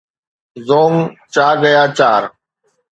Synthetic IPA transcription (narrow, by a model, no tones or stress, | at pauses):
zoːŋt͡ʃaːɡəjaːt͡ʃaːɾ